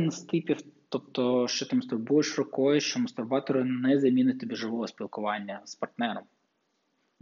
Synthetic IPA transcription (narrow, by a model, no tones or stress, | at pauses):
nst̪ɪpʲiwt̪ɔp̚t̪ɔʃt͡ʃɔt̪ɪmɐst̪ʊrbujɪʃrɔkɔjɪʃt͡ʃɔmɐst̪ʊrbɑt̪ɔɾɪnɛzɐmʲinʊt̪̚ʲt̪ɔbʲiʒɪʋɔɦɔsʲpʲilˠkʊʋɑnʲːɐspɐrt̪nɛɾɔm